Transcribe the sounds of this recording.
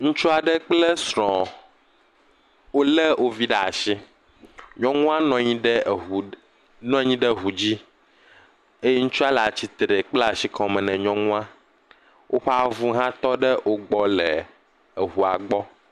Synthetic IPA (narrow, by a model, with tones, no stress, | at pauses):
ŋũ˦t͡ʃu˦a˨ɖɛ˦k͡ple˦sɾɔ̃˨ | wo˦lɛ˦wʔo˦vi˦ɖa˨a˨ʃi˦ | ɲɔ̃˦ŋũ˦a˦nɔ̃˦ɲĩ˦ɖɛ˦˨ | nɔ̃˦ɲĩ˦ɖɛ˦ɦu˨d͡ʑi˦ | e˦je˦ŋũ˦t͡ʃu˦a˨la˨t͡ɕi˦t̪ɾe˨k͡plɛ˦a˨ʃi˦kʰɔ̃˨mɛ̃˨nɛ̃˨ɲɔ̃˦ŋũ˦a˦ | wʔo˦ɸe˦a˨vu˦ɦã˦t̪ɔ˦ɖɛ˦wo˦ɡ͡bɔ˦lɛ˨ | ɦu˨a˨ɡ͡bɔ˦